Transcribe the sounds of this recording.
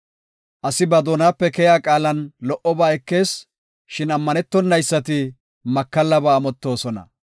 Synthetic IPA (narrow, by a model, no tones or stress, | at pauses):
ʔɐsɪbɐd̪oːnaːpːɛkɛjaːkʼaːlɐnlɔʔɔbaːɛkːe̞ːs | ʃɪnɐmːɐnɛt̪ːɔnːɐjsːɐt̪ɪ | mɐkːɐlːɐbaːmɔt̪ːo̞ːsɔnɐ̰